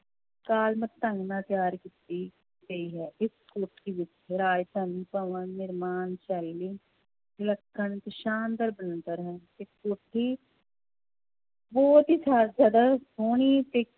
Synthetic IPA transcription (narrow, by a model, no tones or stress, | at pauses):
kaːlmət̪ːə̃ŋɡnãːt̪ɪjaːɾkit̪iː | ɡəiːɦɛːʔɪskoːʈʰiːʋɪt͡ʃːɾaːjt̪əniːpəːʋənnɪɾmaːnt͡ʃɛlːiː | ɪləkʰːənt̪eʃaːnd̪əɾbənənd̪əɾɦɛ̃ːt̪eːkoːʈʰiː | bɔːt̪ɦiːsʰaːɾzjaːd̪aːsoːɳ̃iːt̪eː